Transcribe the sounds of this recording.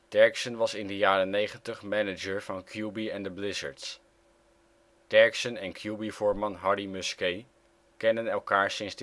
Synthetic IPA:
d̥ɛɹksənʋɑsɪndəjaːɾənejχəntəχmɛnəd͡ʒəɹv̥ɑnkʰjubiɛndəblɪzə̰ɹts | d̥ɛɹksənɛnkʰjubivʊːɹmɑnɦɑɹdimʉskej | kɛndənɛlˠkaːɹsɪnzd

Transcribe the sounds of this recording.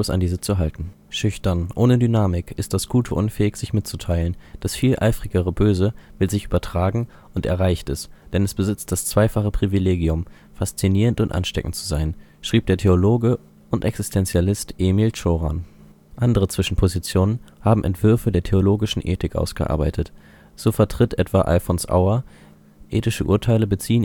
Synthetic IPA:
sa̰ndiːzət͡suɦaltn̩ | ʃʏçtɐnʔoːnədynaːmɪkʰɪst̚d̥asɡ̥uːtʰəʔʊnfɛːɪçz̥ɪçmɪt̚t͡sutʰaɪlənd̥asfiːlʔa̰ɪfʁ̥ɪɡəʁ̞əbøːzəvɪlzɪçʔyːbɐtʁ̥aːɡŋ̩ | ʔʊntɛ̰ɐʁaɪçtɛsd̥ɛnɛsb̥əzɪt͡st̚d̥ast͡sv̥aɪfaχəpʁ̥ivileːɡiʊm | fast͡siniːʁəntʊntʔa̰nʃtɛ̰kŋ̩tt͡suzaɪn | ʃʁ̥iːp̚d̥eːɐtʰeoloːɡə | ʔʊntʔɛksɪstʰɛnt͡sjalɪstʔeːmilt͡ʃoːʁa̰n | ʔandəʁ̞ət͡sv̥ɪʃn̩pʰozit͡sjoːnənhaːbm̩ʔɛ̰ntv̥ʏɐfədeːɐtʰeoloːɡɪʃn̩ʔḛːtɪkʔa̰ʊsɡ̥ə̰ʔa̰ːɐba̰ɪtʰət | z̥oːfɛɐtʁ̥ɪtʔɛtv̥aʔa̰ɪfonsʔa̰ʊɐ | ʔeːtɪʃəʔṵːɐtʰaɪləbət͡siːən

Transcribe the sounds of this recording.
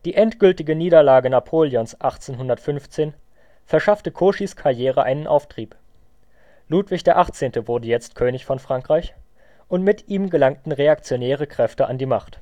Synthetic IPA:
d̥iːʔɛntɡ̥ʏltɪɡəniːɾɐlaːɡənapʰoːljɔnsʔaχt͡seːnɦʊndɐtfʏnft͡seːn | fɛɐʃaftəkʰoːʃiskʰaɐjeːʁ̞əʔaɪnənʔa̰ʊftʁ̥iːp | luːtv̥ɪçd̥eːɐʔaχt͡seːntəvʊɐdəjɛt͡stkʰøːnɪçfɔnfʁ̥aŋkʁ̥aɪç | ʔʊntmɪtʔiːmɡəlaŋtn̩ʁeak̚t͡sjonɛːʁ̞əkʁ̥ɛftəʔa̰ndiːmaχt

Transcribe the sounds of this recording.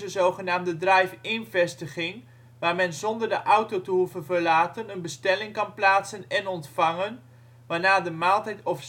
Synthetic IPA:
əzowχənaːmdədrɛjfɪnvɛstəχɪŋ | ʋaːɹmɛnzɔndəɹdəʔawtowtəɦuvənvəɹlaːtənənbəstɛlɪŋkɑnplaːtsənɛnɔntfɑŋən | ʋaːnaːdəmaːlˠtɛjtɔf

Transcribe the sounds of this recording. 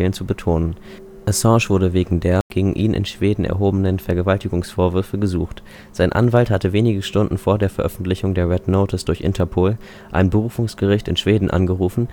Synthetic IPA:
lənt͡subətʰoːnən | ʔasɑ̃ːʃv̥ʊɐdəveːɡŋ̩deːɐɡ̥eːɡŋ̩ʔiːnʔɪ̰nʃv̥eːdn̩ʔɛ̰ɐɦoːbənənfɛɐɡəvaltɪɡʊŋsfoːɐvʏɐfəɡəzuːxt | z̥aɪnʔa̰nvalthatəveːnɪɡəʃtʊndn̩foːɐdeːɐfɛɐʔœ̰fn̩tlɪçʊŋdeːɐʁɛdnoːtʰəsd̥ʊɐçʔɪ̰ntʰɐpʰoːl | ʔa̰ɪnbəʁ̞uːfʊŋsɡ̥əʁɪçtɪnʃv̥eːdn̩ʔa̰nɡəʁuːfn̩

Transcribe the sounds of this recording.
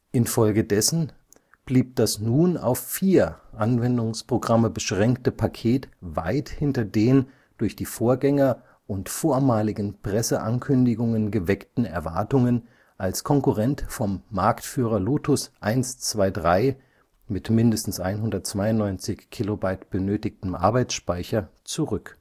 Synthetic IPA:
ʔɪnfɔlɡədɛsn̩ | b̥liːp̚d̥asnuːna̰ʊfːiːɐʔanvɛndʊŋspʁ̥oɡʁaməbəʃʁ̥ɛŋktəpʰakʰeːtva̰ɪthɪntɐdeːn | d̥ʊɐçd̥iːfoːɐɡɛŋɐ | ʔʊntfoːɐmaːlɪɡn̩pʁ̥ɛsəʔa̰nkʰʏndɪɡʊŋənɡəvɛktn̩ɛ̰ɐva̰ɐtʊŋən | ʔalskʰɔŋkʊʁɛntfɔmːaɐktfyːʁ̞ɐloːtʰʊsʔaɪnst͡sv̥aɪdʁaɪ | mɪtmɪndəstn̩sʔa̰ɪnɦʊndɐtt͡sv̥aɪʊnnːɔʏnt͡sɪçkʰːilobaɪtb̥ənøːtɪk̚təmʔa̰ɐbaɪt͡sʃpaɪçɐt͡suʁʏk

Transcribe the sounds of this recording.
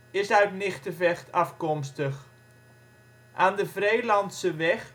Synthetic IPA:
ɪsœɥtnɪχtəvɛxtʰɑfkɔmstəχ | ʔaːndəvrejlɑntsəʋɛx

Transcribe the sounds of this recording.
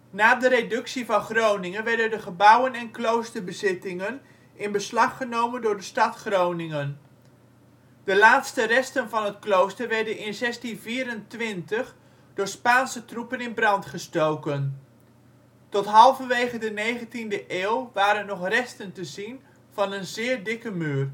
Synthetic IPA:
naːdəɾedɵksivɑnχrownɪŋənʋɛɹdəndəχəbʌwənɛnklowstərbəzɪtɪŋən | ʔɪnbəslɑχːənowməndʊːɹdəstɑtχrownɪŋən | d̥əlaːtstərɛstənvɑnɦətklowstərʋɛɹdənɪnzɛstinviːɾəntʋɪntəχ | d̥ʊːɹspaːnsətrupənɪnbrɑntχəstowkən | tɔtɦɑlˠvəʋejχədənejχəntindəʔeːwˠʋaːɾənːɔχrɛstəntəzin | v̥ɑnənzɪːɹdɪkəmyːr

